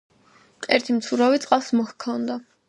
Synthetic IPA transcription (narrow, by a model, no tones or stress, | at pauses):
ɛɾt̪ʰimt͡s̪ʰuɾɔvit͡sʼqʼɑsmɔhkʰɔnd̪a